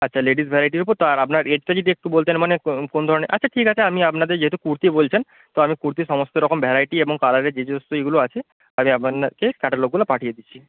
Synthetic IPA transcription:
ɐtːʃʰaleɖisbʱeɾajʈ̬iɾupɔɾt̪oaɾapnaɾeɖʈad͡ʑid̪ek̚ʈubolt̪enmanekond̪ʱɔɾɔneʔɐtːt͡ʃʰaʈʰikat͡ʃʰeamiapnad̪eɾd͡ʑeɦet̪ukuɾt̪ibolt͡ʃʰen | t̪oamikuɾt̪̬isɔmɔst̪eɾɔkɔmbʱɛɾajʈiebɔŋkalaɾed͡ʒed͡ʒɔst̪oeɡuloat͡ʃʰe | amiapnkekaʈaɾloɡ̚ɡulapaʈʰijed̪it͡ɕʰi

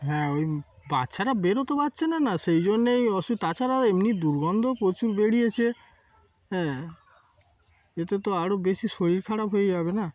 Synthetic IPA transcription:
ɦɛ̃oj | batːʃʰaɾabeɾot̪obatːɕʰenanasejd͡ʑonːejɔʃut̪at͡ɕʰaɾaemnid̪uɾɡɔnd̪ʱopɾot͡ɕuɾbeɽiet͡ɕʰe | ɦɛ̃ | et̪et̪oaɾobesiʃoɽiɾkʰaɽapɦojed͡ʑabena

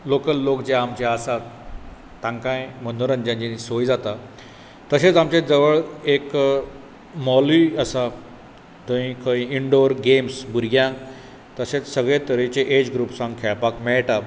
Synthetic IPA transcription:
lokəlːokd͡ʑaːmt͡ɕeasat̪ː | ãŋkãjmənoɾənd͡ʑãɲt͡ɕinisojd͡zat̪a | t̪əset͡samt͡ɕed͡zəʋəɭek | mɔliəsa | d̪ə̃ĩkʰə̃ĩiɳɖoɾɡemsbuɾɡjãk | t̪əset͡ssəɡɭẽt̪əɾet͡ɕeʔed͡ʑɡɾuːpsãŋɡkʰɛɭpakmɛɭʈa

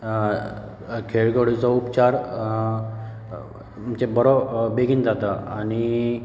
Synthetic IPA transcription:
kʰeɭɡoɽit͡sɔupt͡ɕaɾ | məɳt͡ɕebəɽɔbeɡʱind͡zat̪aañi

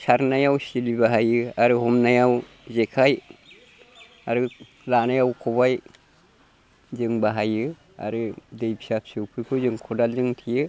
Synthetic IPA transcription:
saɾnajawsilibaɦajɯaɾɯɦɔmnajaw | zekʰaj | aɾɯ | lanajawkʰɔβaj | zɯŋbaɦajɯ | a̰ɾɯdejbʰi̥sap̚sɯwpʰɯɾpʰɯzɯŋkʰɔdalzɯŋtʰijɯ

